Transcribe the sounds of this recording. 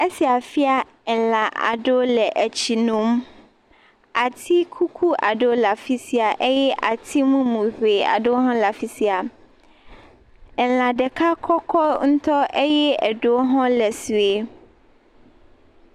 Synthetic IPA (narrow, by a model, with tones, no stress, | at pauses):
e˦si˨a˨fi˦a˦ | ɛ˨lã˨ʔa̰˨ɖo˦lɛ˨ʔɛ˨t͡ɕʰi˨nũ˨m˦ | a˨t̪ʰi˦kʰu˦kʰu˦ʔa̰˨ɖo˦la˨fi˦si˦a˨ʔe˦jɛ˦ʔa˨t̪ʰi˦mũ˦mũ˨ɸe˨a̰˨do˦ɦɔ̃˦la˨fi˨si˦a˨ | ɛ˨lã˨ɖɛ˨kʰa˦kʰɔ˦kʰɔ˦ŋ̩˦t̪ɔ˦ʔe˦jɛ˦ɛ˨ɖo˦ɦɔ̃˦lɛ˨si˨e˨